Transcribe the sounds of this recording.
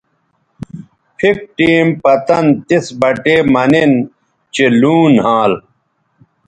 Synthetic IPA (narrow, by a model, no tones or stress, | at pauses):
pʰik̚ʈiːmpɐt̪ɐnt̪isbɐʈeːmɐnin | t͡ɕiluːnɦãːl